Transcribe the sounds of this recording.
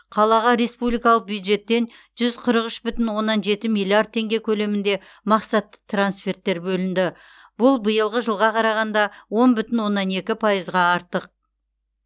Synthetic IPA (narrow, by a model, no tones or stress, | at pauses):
qʰɑlˠɑʁɑɾe̞spublijkɑlˠəq̚bjud̪ʒe̞t̪ːe̞nʒ̥ʏzqʰəɾəqʏʃbʏt̪ɪnwo̞nːɑnʒe̞t̪ɪmijlʲˠiard̪̚t̪ʰːe̞ŋɡʲe̞kʲʰɵle̞mɪnd̪e̞ | mɑqsɑt̪ːə̥t̪ʰransfe̞rt̪ːe̞ɾbɵlɪnd̪ɪ | b̥ʊlˠbəjəlˠʁəʒəlˠʁɑqʰɑɾɑʁɑnd̪ɑwo̞nbʏt̪ɪnwo̞nːɑne̞kʲɪpʰɑjəzʁɑɑɾt̪əq̚